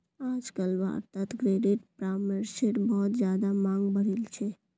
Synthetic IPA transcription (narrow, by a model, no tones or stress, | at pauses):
ad͡ʒkəlʋa̰ɾt̪at̪kɾeɖiʈpɾaməɾseʈbɔɦɔt̪d͡ʒjad̪amãŋɡbəɽilt͡ʃʰe